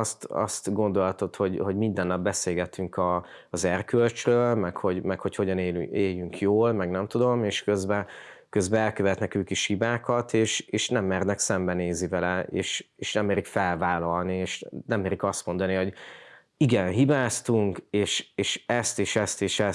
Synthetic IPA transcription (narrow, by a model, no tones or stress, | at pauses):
st̪ɒ̰st̪ɡo̞nd̪o̞lɒt̪o̞t̪ho̞ɟho̞ɟmind̪ɛnːɒbːɛseːlɡɛt̪yŋkɒː | zɛrkølt͡ʃrøːlmɛkho̞ɟmɛkho̞cho̞ɟɒneːeːjːyŋkʰjoːlmɛɡnɛmt̪ud̪o̞meːʃkøzbɛkøzbɛɛlkøvɛt̪nɛkøːkiʃhibaːkɒt̪eːʃeːʃnɛmːɛrdnɛksɛmbɛneːzivɛlɛḛːʃeːʃnɛmːeːɾikfɛlvaːlɒlnieːʃnɛmːeːɾikɒst̪mo̞nd̪ɒniɦo̞ɟ | iɡɛnɦibaːst̪uŋkeːʃeːʃɛst̪eːʃɛst̪eːʃɛ